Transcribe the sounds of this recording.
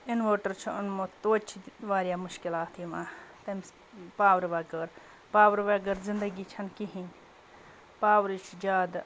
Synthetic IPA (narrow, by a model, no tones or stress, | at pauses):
ɪnʋoːʈɐɾt͡ʃʰɐʊnmot̪oːt͡ʃʰiʋaːɾjaːmʊʃkɪlaːt̪ʰimãːt̪ɐms | paːwɾʋɐɡəɾ | paːwɾʋɐɡəɾzɪnd̪ɐɡiːt͡ʃʰɐnkiɦĩn | paːwɾit͡ʃʰd͡ʒaːd̪